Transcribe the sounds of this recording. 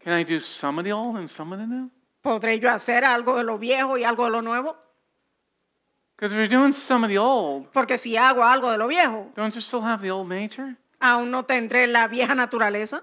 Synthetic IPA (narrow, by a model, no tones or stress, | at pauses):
kʰɨ̃naɪdɨsʌ̃mbʌðioʊlˠdɨ̃nsʌ̃mbʌðinu | po̞ðɾe̞ʝoase̞ɾalɣoðe̞lo̞βje̞hoialɣoðe̞lo̞nwe̞βo̞ | kʰʌzə˞dʉɪ̃ŋsʌ̃mbʌðioʊlˠd̥̚po̞ɾke̞siaɣoalɣo̞ðe̞lo̞βje̞hod̥õʊ̃ntsə˞stɪlˠəvðioʊlˠdⁿneɪt͡ʃə˞ | auŋno̞t̪end̪ɾelaβje̞hanat̪uɾale̞sa